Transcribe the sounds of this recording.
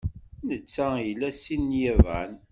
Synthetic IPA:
nət͡sːæjəlːæsinjiðˤæ̰n

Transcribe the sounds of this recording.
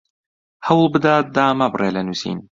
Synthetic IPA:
hɐwlˠbɨd̪aːt̪̚d̪aːmɐbɨrʔeːlɐnuːsḭːn

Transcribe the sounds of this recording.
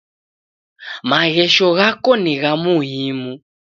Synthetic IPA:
maɣɛʃɔɣakɔniɣamuɦimu

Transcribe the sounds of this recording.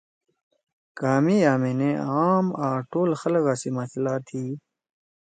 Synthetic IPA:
kaːmijaːmeneaːmaːʈoːlxɐlɣaːsimasʰlaːt̪ʰiː

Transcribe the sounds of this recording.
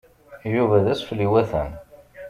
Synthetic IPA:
juvæðæsfliwæθæ̰n

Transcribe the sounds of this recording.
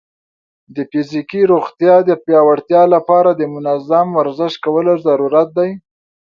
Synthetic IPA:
d̪əfizikiɾoɣt̪jɑd̪əpjɑwaɽt̪jɑlapɑɾad̪əmʊnazamwaɾzɪʃkawəlozaɾuɾat̪̚d̪aj

